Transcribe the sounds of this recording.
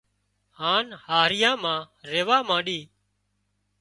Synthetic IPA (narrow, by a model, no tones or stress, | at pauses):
haːnhaːɾɪjãːmãː | ɾeːʋaːmãːɗiː